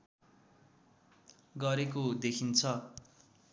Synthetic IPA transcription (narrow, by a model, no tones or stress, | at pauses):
ɡʌɾekod̪ekʰint͡sʰʌ